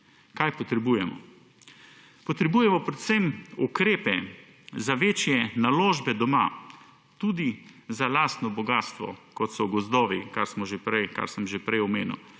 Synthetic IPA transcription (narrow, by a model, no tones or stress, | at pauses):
kajpɔt̪ɾɛbuːjɛmɔ̰ | pɔt̪ɾɛbujɛmɔpɾɛt̪semukɾeːpɛ | zaʋeːt͡ʃjɛnaloːʒbɛd̪ɔma̰ | t̪uːd̪izalaːst̪nɔbɔɡaːst̪ʋɔ̰kɔt̪sɔɡɔzd̪ɔːʋikaɾsmɔʒepɾɛjka̰ɾsəmʒepɾɛjɔmeːnṵw